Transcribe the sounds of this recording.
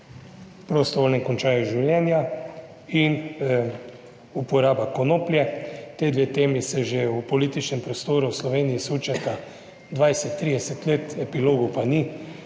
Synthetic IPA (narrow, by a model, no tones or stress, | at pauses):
pɾost̪ɔʋoːlnɛmkɔnt͡ʃaːjuʒiwlʲjɛnja | in | upɔɾaːbakɔnoːpljɛt̪eːd̪ʋeːt̪eːmisɛʒeupɔliːt̪it͡ʃnɛmpɾɔst̪oːɾuwslɔʋeːniisuːt͡ʃat̪a | d̪ʋajsɛt̪ːɾiːd̪ɛsɛt̪leːt̪ɛpiloːɡupani